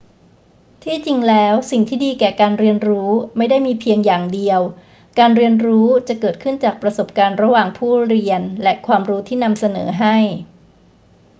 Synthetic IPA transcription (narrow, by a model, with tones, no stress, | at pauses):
t̪ʰiː˥˩t͡ɕi˧ŋlɛː˦˥wsi˨˩ŋt̪ʰiː˥˩diː˧kɛː˨˩kaː˧nɾi˧ənɾuː˦˥ma˥˩jda˥˩jmiː˧pʰi˧əŋjaː˨˩ŋdi˧əw | kaː˧nɾi˧ənɾuː˦˥t͡ɕa˨˩kɤː˨˩t̪̚kʰɯ˥˩nt͡ɕaː˨˩k̚pɾa˧so˨˩p̚kaː˧nɾa˧waː˨˩ŋpʰuː˥˩ɾi˧ənlɛ˦˥kʰwaː˧mɾuː˦˥t̪ʰiː˥˩na˧msa˧nɤ̰ː˩˦ɦa˥˩j